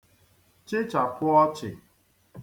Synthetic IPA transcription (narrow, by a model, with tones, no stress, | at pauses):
t͡ʃɪ˦t͡ʃa˨kʊ˦ɔ˦t͡ʃɪ̰˨